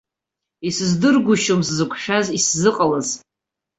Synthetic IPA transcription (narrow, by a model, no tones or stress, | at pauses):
isɨzdɨrɡʷʊʃomszɨkʷʰʃᶣaziszɨqʼalaz